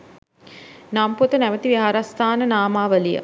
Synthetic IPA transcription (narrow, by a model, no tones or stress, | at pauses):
namput̪ənæʋət̪iʋiɦaɾast̪ʰaːnənaːmaːʋəlijə̰